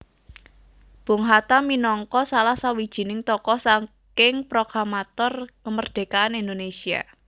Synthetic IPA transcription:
b̥o̤ŋɦat̪aminɔŋkɔsalahsawid̥ʒ̥i̤nɪŋt̪ɔkɔsaŋ | kɪŋpɾoɡɾamat̪ɔrkəmərd̪̥e̤kaːnind̪onesia̰

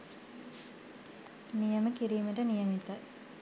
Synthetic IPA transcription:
nijɐməkiɾijumiʈənijɐmit̪ːɐ

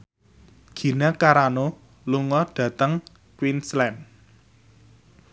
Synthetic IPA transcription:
ɡ̥i̤nakaɾano | luŋɔɖ̥ä̤t̪əŋ | kwinslɛn

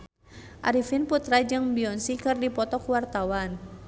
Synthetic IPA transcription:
ʔa̰ɾifinput̪ɾad͡ʒɨŋbiɔnsikɨrdipɔt̪ɔkuwart̪awan

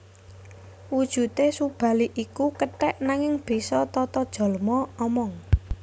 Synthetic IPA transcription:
wud̥ʒ̥ṳt̪esub̥ä̤liʔikukəʈɛʔnaŋɪŋb̥i̤sɔt̪ɔt̪ɔd̥ʒ̥ɔ̤ləmɔɔmɔŋ

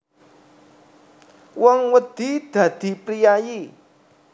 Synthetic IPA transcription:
wɔŋwəd̪̥i̤d̪̥ä̤d̪̥i̤pɾijaji

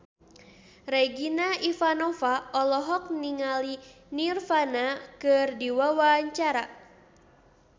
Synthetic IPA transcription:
rɛɡinaifanɔfaɔlɔɦɔk̚niŋali | nirfanakɨrdiwawaɲt͡ʃaɾa

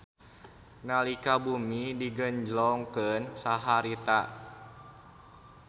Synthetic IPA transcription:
nalikabumidiɡəɲd͡ʒlɔŋkənsaɦaɾit̪a

